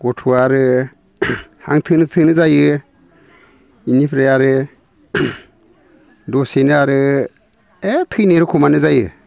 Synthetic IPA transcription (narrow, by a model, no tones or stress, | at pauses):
ɡ̥ɔtʰuaɾɯ | ha̰ŋtʰɯnɯtʰɯnɯzajɯ | inipʰɾeaɾɯ | dɔsenɯaɾɯ | etʰɯjneɾɯkʰɔmanɯzajɯ